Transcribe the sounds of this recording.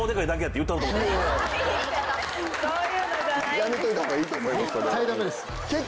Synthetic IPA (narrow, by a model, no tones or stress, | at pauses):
od̪ekaid̪ak̬ejat̪ːejɯ̟t̪ːakot̪o | jamit̪oit̪aŋkaiːt̪oːmoiaskoɾsaid̪amed̪esɨ̥ | ke